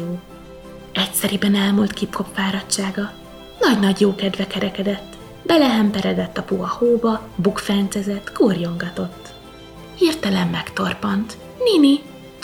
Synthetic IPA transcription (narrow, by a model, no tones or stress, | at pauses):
oː | ɛcsɛɾibɛnɛlmult̪kipkʰo̞pfaːɾɒtt͡ʃːaːɡɒ | nɒɟnɒɟjoːkɛd̪vɛkɛɾɛkɛd̪ɛt̪ː | bɛlɛɦɛmpɛɾɛd̪ɛt̪ːɒpuɒhoːbɒbukfɛnt̪sɛzɛt̪ːkurjo̞ŋɡɒt̪o̞t̪ː | hirt̪ɛlɛmːɛkt̪o̞rpɒnt̪ | nini